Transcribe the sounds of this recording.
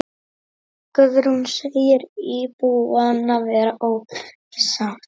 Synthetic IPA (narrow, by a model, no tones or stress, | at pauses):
kœðɾunsejɪɾipuanːavɛːɾaʔow | ɪsaxt̪